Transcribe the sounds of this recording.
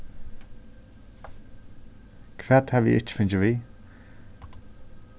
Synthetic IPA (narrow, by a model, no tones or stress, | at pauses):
kʰvɛːt̪havḭːʔɪ̰t͡ʃfʏnt͡ʃəviː